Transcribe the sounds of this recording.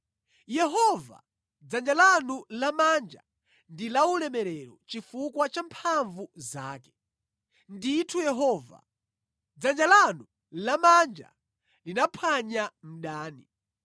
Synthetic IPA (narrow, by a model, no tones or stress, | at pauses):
jɛɦɔva̰ | d͡zand͡ʒalanulamand͡ʒa̰ | ndilaulɛmɛɾɛɾɔ̰t͡ʃifukwat͡ʃampʰaɱvuzaːkɛ̥ | nditʰujɛɦɔːva̰ | d͡zand͡ʒalanu | lamand͡ʒa̰ | linapʰaɲam̩ɗaːnḭ